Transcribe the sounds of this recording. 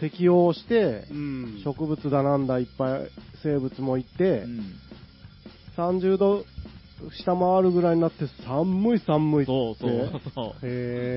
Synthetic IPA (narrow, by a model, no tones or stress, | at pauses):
t̪e̞kʲio̞ːɕi̥t̪e̞ | ɕo̞kɯ̟bɯ̟t͡sɨd̪anãnd̪aipːaḭse̞ːbɯ̟t͡sɨmo̞it̪e̞ | sãɲ̟d͡ʑɨːd̪o̞ | ɕi̥t̪amaaɾɯ̟ɡɯ̟ɾaiɲ̟inat̪ːe̞sãmːɯ̟isãmːɯ̟it̪ːee